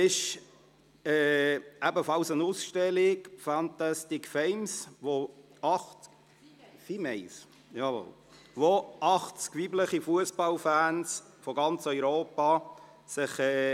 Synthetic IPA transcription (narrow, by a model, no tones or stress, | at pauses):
ɪʃ | ɛːæbəfɑlsənusʃtɛlɪkfænt̪astɪkfɛɪmsʋoɑχ | fimɛɪs | jɑvo̰l | ʋoʔɑχt͡skʋibləχifuəspɑlfæːns | fɔɡɑnt͡sœʏɾoːpɑ | sɪχɛː